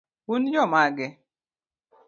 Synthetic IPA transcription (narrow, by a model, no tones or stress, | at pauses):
unjɔmaɡɛ